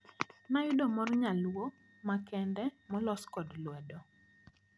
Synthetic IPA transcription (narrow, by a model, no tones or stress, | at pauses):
najʊdɔmɔrɲalwo | makɛndɛmɔlɔskɔdlwɛdɔ